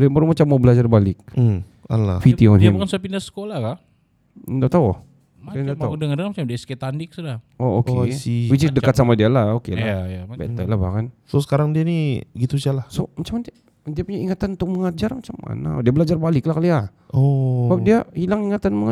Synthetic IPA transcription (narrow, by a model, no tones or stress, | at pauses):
limbəɾumat͡ʃamːwbəlad͡ʒarbalɪk̩̚ | ala̰fit̪ionimbkansuapindasə̥kolaka | daʔt̪ao | ndaadəŋandəŋamat͡ʃamdiasket̪andɪk̚səda | ookesibit͡ʃidəkat̪̚samadialaokelajbɛ̰t̪əlaba̰hkansosə̥kaɾaŋdianiɡit̪usalahsomat͡ʃaman | diapuɲaiŋat̪anunt̪ʊk̚məŋad͡ʒarmat͡ʃamːa̰na̰diabəlad͡ʒarbalɪklahkalia | obadiahilaŋiŋat̪anməŋ